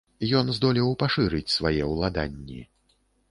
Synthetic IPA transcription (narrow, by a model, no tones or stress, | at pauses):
jɔnzd̪ɔlʲiwpaʂɨɾɨt͡sʲsvajɛwlˠad̪a̰nʲːi